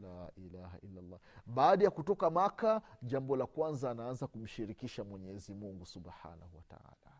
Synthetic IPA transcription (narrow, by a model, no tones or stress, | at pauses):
laːʔilaha̰ʔilːalːɑɓaːɗajakutɔkamakaʄambɔlakwanzaːnaanzakum̩ʃiɾikiʃamwɛɲɛzimuŋɡusuɓħa̰nahuwata̰a̰ːla